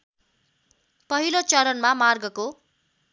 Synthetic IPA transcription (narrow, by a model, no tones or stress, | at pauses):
pʌɦilot͡sʌɾʌnmamarɡʌko